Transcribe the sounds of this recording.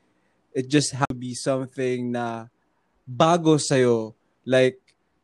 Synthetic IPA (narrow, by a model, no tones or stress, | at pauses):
ʔɪt̪̚d͡ʒɐst̪̚ɦabisʌ̃mθɪ̃ŋnɐ | baːɡosɐjo̞ | lajk̚